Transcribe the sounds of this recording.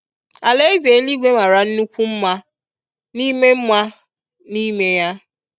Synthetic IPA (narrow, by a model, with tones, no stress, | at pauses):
a˨le˦i˦ze˨˦li˦ɡʷe˦ma˨ɾa˨n̩˦nu˦kʷu˦m̩˦ma˦ | ni˦me˦m̩˦ma˦ | ni˦me˦ja˦